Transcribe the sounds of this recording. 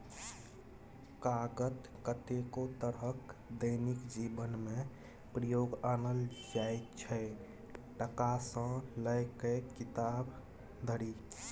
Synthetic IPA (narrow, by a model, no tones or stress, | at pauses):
kaɡət̪ | kət̪ekot̪əɾɦəkd̪əɪnikd͡ʒibənme | pɾəjoɡanəld͡ʒaet͡ʃʰə | ʈəkasə̃ləɪkekit̪ab | d̪ʱəɽi